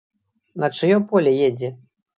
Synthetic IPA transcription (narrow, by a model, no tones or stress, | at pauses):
nɐt͡ʂɨjɔpɔlʲɛjed͡zʲɛ